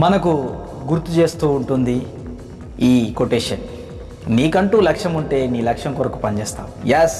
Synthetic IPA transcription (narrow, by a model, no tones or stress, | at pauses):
mɐnɐku | ɡuɾt̪ːut͡ʃe̞ːst̪uːuɳʈund̪i | iːkoʈeːʂɐn | niːkɐɳʈuːlɐkʂɐmuɳʈe̞ːniːlɐkʂɐmkuɾɐkupɐnt͡ʃeːst̪a̰ːmjes